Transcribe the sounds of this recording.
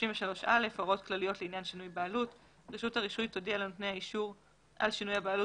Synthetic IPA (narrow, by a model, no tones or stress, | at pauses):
oʃiɱveʃalo̞ʃʔalefaʁo̞tklalijo̞tleinjanʃinujbaːlut | ʁeʃuthaʁiʃujtodialenotne̞jhaiʃuʁ | ʔa̰lʃinujhabeːlu